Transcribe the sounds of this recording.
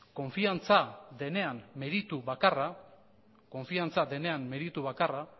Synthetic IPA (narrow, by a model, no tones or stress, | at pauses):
ko̞ɱfiant͡saðe̞ne̞amːe̞ɾit̪uβakara | ko̞ɱfiant͡sad̪e̞ne̞amːe̞ɾit̪uβakara